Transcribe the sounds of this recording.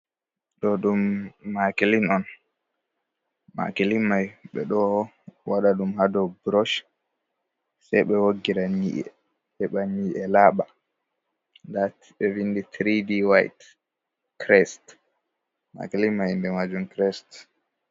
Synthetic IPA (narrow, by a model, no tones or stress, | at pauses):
ɗɔɗumːakelinɔn | ma̰kelimajɓɛ̰ɗɔ | waɗaɗumhadɔbɾɔʃ | sɛjɓɛwoɡːiɾanḭʔɛ̰ | ɛɓaniʔɛlaːɓa | ndat | ɓɛvinditɾidiwajt | kɾɛst | ma̰kelimajindɛmad͡ʒumkɾɛst